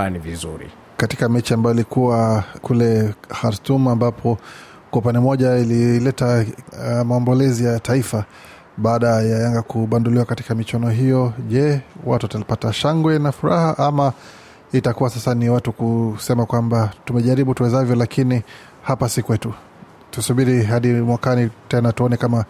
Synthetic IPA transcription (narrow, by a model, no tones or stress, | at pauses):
anivizṵɾḭ | kati̥kamɛt͡ʃiambajɔilikuwakulɛxaɾtumambapʰɔ | kwaupandɛmɔʄaililɛta | maɔmbɔlɛzijataifa | ɓaːɗajajaŋɡakuɓanduliwakati̥kamit͡ʃanɔɦijɔʄɛwa̰tuatalipataʃaŋɡwɛnafuɾahaʔama | itakuwasasaniwatukusɛmakwambatumɛʄaɾiɓutuɛzavjɔlakini | hapasikuwɛtu | tusuɓiɾiɦaɗimwakanitɛnatuɔnɛkama